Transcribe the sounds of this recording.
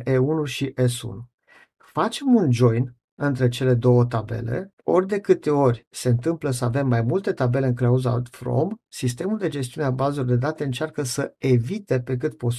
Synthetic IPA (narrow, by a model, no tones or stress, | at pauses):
ʔeunuʃiʔesṵnu | fat͡ʃe̞mund͡ʒo̞jn | ɨnt̪ɾe̞t͡ʃe̞le̞d̪o̞wət̪abe̞̰le̞̰o̞rʲd̪e̞kɨt̪e̞o̞rʲse̞ɨnt̪ɨmpləsəave̞mːajmult̪e̞t̪abe̞le̞ɨŋklauza̰t̪fro̰msist̪e̞muld̪e̞d͡ʒe̞s̬t̪iuneabazolord̪e̞d̪at̪e̞ɨnt͡ʃarkəsəe̞vit̪e̞pe̞k̬ɨt̪po̞